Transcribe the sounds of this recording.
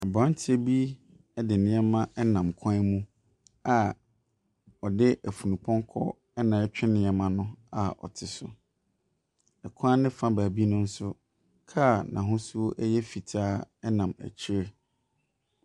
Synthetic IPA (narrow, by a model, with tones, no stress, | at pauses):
a˨bɔ̃˨˦n˦tʰɪ˦ɛ˦bi˦ | dɪ˨nɪ̃˦ɛ˦mã˦ʔɛ˦nã˨mkʰɔ̃˦mũ˦ | a˨ | ɔ˨dɪ˦ʔæ˨fu˨nũ˨pʰɔ̃˦ŋkʰɔ̰˦ | ɛ˦nã˨ɛ˦t͡ɕᶣɪ˦nɪ̃˨˦ɛ˨mã˦nʊ̃˦a˨ɔ̰˨tʰɪ˨sʊ˨ | ɛ˨kʷʰa˦nɪ̃˦fã˦baː˨bi˦nʊ̃˦n̩˦sʊ˦ | kʰa˦˨nã̰˨ɦʊ̃˦su˦o˦ʔjɛ˦fi˨tʰaː˦ɛ˦nã˨mæ̰˨t͡ɕʰi˦ɾɛ˦